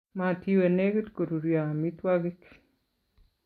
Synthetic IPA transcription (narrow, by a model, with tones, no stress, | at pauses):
ma˨tji˦we˨ne˦ɡe˦tko˨ɾu˨ɾja˨mi˦twaɡi˦k